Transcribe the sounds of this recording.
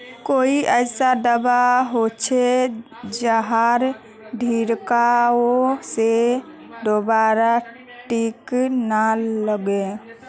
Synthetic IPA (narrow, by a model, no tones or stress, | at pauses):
koiʔəɪsad̪əbaɦot͡ʃʰe | d͡ʒəɦaɾ | ɖʱiɾkaose | d̪obaɾa | ʈiknaləɡe